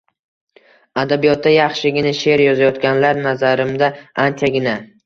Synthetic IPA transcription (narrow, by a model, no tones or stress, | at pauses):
ad̪abijɒt̪̚ːajɑχʃɪɡʲɪnaʃe̞ɾjɒzajɒt̪kʲanlaɾnazaɾɪmd̪aant͡ʃʰaɡʲɪna